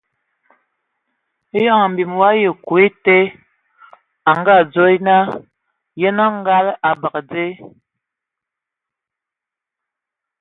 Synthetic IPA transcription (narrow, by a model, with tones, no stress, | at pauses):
e˦ja˦˨ŋa˨m̩˨bi˨mwa˦jə˨ku˨e˦te˦ | a˨ŋɡa˦˨d͡zo˦i˦na˦ | je˦na˦ŋ˦ɡa˦la˨ba˨kd͡ze˦